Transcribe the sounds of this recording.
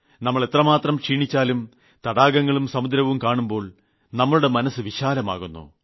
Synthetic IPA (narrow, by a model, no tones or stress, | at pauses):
nɐmːɐɭe̞t̪rɐmaːt̪rɐmkʂiːɳit͡ɕːaːlum | t̪ɐɽaːɡɐŋːɐɭumsɐmud̪ɾɐʋumkaːɳumbo̞ːɭ | nɐmːɐɭuɽe̞mɐnɐsɨʋiɕaːlɐma̰ːɣunːṵː